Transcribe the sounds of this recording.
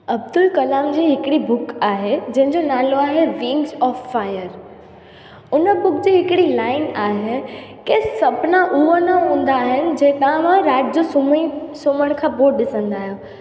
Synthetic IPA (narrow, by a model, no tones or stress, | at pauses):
ɐb̚d̪ʊlkɐlaːmd͡ʑiːɦɪkɪɽibʊkaːɦed͡ʑɐ̃ɦɪ̃ɲd͡ʑonaːloaːɦeʋĩːŋɡzɔːfːaːjəɾ | ʊnəbʊkd͡ʑiːɦɪkɪɽilaːɪnaːɦekesɐbnãʔuənaɦũːn̆d̪aːɦɪnɪ̆d͡ʑɐ̃ːkãʋãɾaːʈɪd͡ʑosʊmisoːməɽ̃kʰãːboːʈ̚ɗɪsə̃nd̪aːɦijoː